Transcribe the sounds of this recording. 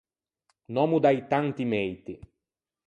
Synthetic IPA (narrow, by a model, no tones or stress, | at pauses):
nɔmud̪ajt̪ant̪imɛjt̪i